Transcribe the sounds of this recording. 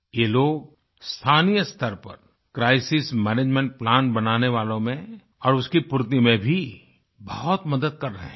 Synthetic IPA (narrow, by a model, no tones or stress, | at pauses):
jeːloːɡ̚ | st̪ʰaːnijəst̪əɾpɐ̰ɾ | kɾaːɪsɪsmɛːneːd͡ʒmɛ̃ɳʈ̚plãːnbɐnaːneʋaːlõmẽ | ɔːɾʊskipʊɾt̪̬imẽbʱi | bɐɦʊt̪mɐd̪əd̪̚kɐɾːɐɦẽ